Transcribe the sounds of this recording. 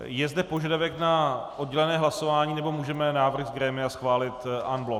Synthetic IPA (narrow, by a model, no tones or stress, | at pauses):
jɛzdɛpo̞ʒadavɛknaʔod̚ɟɛlɛnɛːɦlaso̞vaːɲiːnɛbo̞muːʒɛmɛnaːvr̩ɣzɡɾɛmɪasxvaːlɪt̪ʔanblo